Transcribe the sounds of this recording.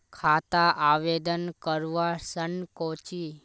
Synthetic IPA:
kʰat̪aʔaʋed̪ənkəɾʋasənkot͡ʃi

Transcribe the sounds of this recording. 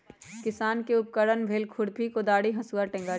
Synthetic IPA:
kɪsaːnkeʊp̚kəɽənbʱeːlkʰʊɽpʰikod̪aːɽiɦɐsuaʈɛ̃ŋɡaː

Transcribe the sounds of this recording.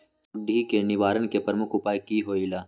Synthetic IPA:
ʊɖʱːikenɪʋaːɾənkepɾəmʊkʰʊpaːjkiɦoːilaː

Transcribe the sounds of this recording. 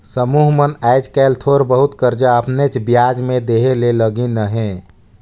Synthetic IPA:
səmuɦmənɛjd͡ʒkɛːlt̪ʰoɾbəɦut̪kəɾd͡ʒaəpnet͡ʃbjad͡ʒmed̪eɦeleləɡinəɦẽ

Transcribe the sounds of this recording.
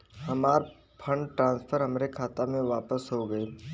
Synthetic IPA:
hɐmaːɾ | pʰə̃ɳɖʈɾãːnspʰəɾɦɐmɾekʰaːt̪amẽʋaːpəsɦoɡɐeː

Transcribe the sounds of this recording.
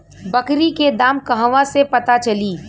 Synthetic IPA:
bɐkɾiked̪aːmkɐɦʋãsepɐt̪at͡ʃɐliː

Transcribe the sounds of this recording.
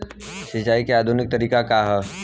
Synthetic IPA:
sɪt͡ʃaːikeaːd̪ʱʊnɪk̚t̪ɐɾiːkakaɦɛ

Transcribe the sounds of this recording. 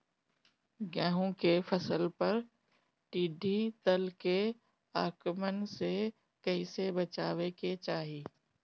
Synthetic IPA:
ɡɛːɦõkefʰəsəlpɐɾ | ʈiːɖʱit̪əlke | aːkmənse | kɐisebət͡ʃaːweket͡ʃaːɦiː

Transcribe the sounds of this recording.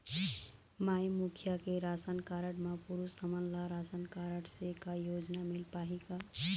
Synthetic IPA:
majmukʰjakeɾasənkaɾəɽmapuɾusəmənlaɾasənkaɾəɽsekajod͡ʒnamilpaɦika

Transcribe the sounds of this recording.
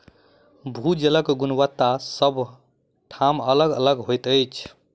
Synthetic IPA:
bʱud͡ʒeləkɡunwət̪ːasəbʱ | ʈʰamələɡə̰ləɡɦojt̪əjt͡ʃʰ

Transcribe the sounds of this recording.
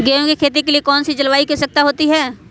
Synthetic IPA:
ɡeːjõkekʰeːt̪̬ikeliekɔːnsid͡ʒɐlʋaːikesɐk̚t̪aɦoːt̪iɦɛː

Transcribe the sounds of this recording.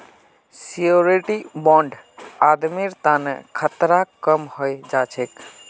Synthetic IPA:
ssijoɾeʈibɔ̃ɳɖad̪miɾt̪anḛkʰət̪ɾakəmhojd͡ʒat͡ʃʰek

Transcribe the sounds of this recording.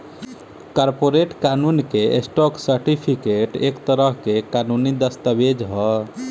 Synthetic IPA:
kɔɾpoɾeʈkanunkeesʈɔksəɾʈipʰikeʈekt̪əɾəɦkekanunid̪əst̪əbed͡ʒɦɔ

